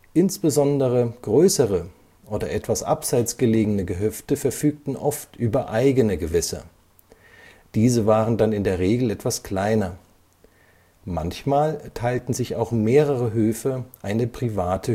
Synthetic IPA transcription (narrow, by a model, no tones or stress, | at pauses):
ʔɪnsb̥əzɔndəʁəɡ̥ʁøːsəʁə | ʔoːdɐʔɛtv̥asʔa̰pz̥aɪt͡sɡ̥əleːɡənəɡəɦœftəfɛɐfyːk̚tn̩ʔɔftʔyːbɐʔaɪɡənəɡəvɛsɐ̰ | d̥iːzəvaːʁəndanɪndeːɐʁeːɡl̩ɛtv̥askl̥aɪnɐ | ma̰nçmaːltʰaɪltn̩zɪça̰ʊxmeːʁəʁəɦøːfəʔaɪnəpʁ̥ivaːtʰə